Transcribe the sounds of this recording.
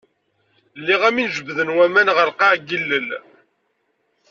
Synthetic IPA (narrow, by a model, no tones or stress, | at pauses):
lːiʁæminʒəbðənwæmænʁəɾqɑʕɡilːəl